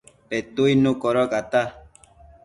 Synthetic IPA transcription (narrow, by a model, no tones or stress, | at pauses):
pɛt̪uinũkɔɾɔkat̪a